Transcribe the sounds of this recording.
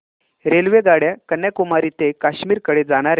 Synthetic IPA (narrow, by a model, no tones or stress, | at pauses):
ɾelʋeɡaɽjakənːjakumaɾiːt̪ekaɕmiːɾkəɽed͡zaɽ̃aɾe